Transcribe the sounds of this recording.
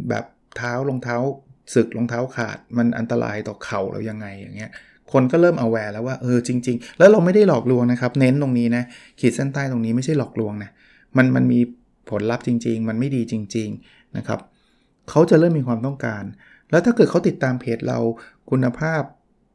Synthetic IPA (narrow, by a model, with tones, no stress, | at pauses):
bɛ̰ː˨˩p̚t̪ʰaː˦˥wlo˧ŋt̪ʰaː˦˥wsɯ˨˩k̚lo˧ŋt̪ʰaː˦˥wkʰa̰ː˨˩t̪̚ma˧nʔa̰˧nt̪a˧ɾa̰ː˧jt̪ɔː˨˩kʰa˨˩wɾʔa̰˧wja˧ŋːa˧jːaː˨˩ŋːi˦˥ɐ | kʰo˧nkɔː˥˩ɾɤː˥˩mʔa˧wːɛː˧lɛː˦˥waː˥˩ʔɤː˧t͡ɕi˧ŋt͡ɕi˧ŋlɛː˦˥wɾa˧wma˥˩jda˥˩jlɔː˨˩k̚lu˧əŋna˦˥kʰa˦˥p̚ne˦˥nt̪o˧ŋniː˦˥na˦˥ʔkʰiː˨˩sa˥˩nt̪aː˥˩jt̪o˧ŋniː˦˥ma˥˩jʰa˥˩jlɔː˨˩k̚lu˧əŋna˦˥ | ma˧nma˧nmiː˧ | pʰo˩˦nla˦˥p̚t͡ɕi˧ŋt͡ɕi˧ŋma˧nma˥˩jdiː˧t͡ɕi˧ŋt͡ɕi˧ŋ | na˦˥kʰa̰˦˥p̚ | kʰa˦˥wt͡ɕa˨˩ʔɾɤː˥˩mːiː˧kʰwaː˧mt̪ɔ˥˩ŋkaː˧n | lɛ˦˥t̪ʰa˥˩kɤː˨˩t̪̚kʰwt̪i˨˩t̪ːaː˧mpʰeː˦˥t̪̚ɾa̰˧w | kʰu˧nːa˧pʰaː˥˩p̚